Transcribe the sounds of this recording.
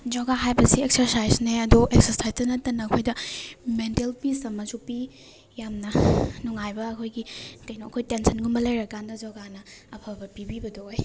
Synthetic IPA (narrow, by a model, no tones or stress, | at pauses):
d͡ʒoɡaɦajbɐsiek̚sɐɾsajzneɐdoʔek̚sɐɾsajzdɐnɐtːɐnɐɐkʰojdɐmentelpisɐmɐsupi | jamnɐnuŋajbɐɐkʰojɡikɐjnoɐkʰojtensɐnɡumbɐlɐjɾɐkandɐd͡ʒoɡanɐɐpʰabɐpibibɐdooj